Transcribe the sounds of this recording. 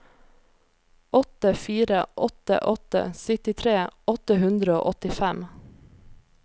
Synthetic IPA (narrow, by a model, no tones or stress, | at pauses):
ɔt̪əfiːɾə̰ʔɔt̪ə̰ʔɔt̪ə̰sʏt̪ɪt̪ʰɾeːɔt̪əhʉnd̪ɾəo̰ːʔɔt̪ɪfæm